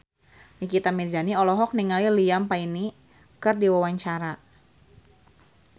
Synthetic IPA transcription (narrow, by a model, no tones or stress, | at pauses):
mikit̪amird͡ʒaniɔlɔɦɔk̚niŋalilijampaini | kɨrdiwawaɲt͡ʃaɾa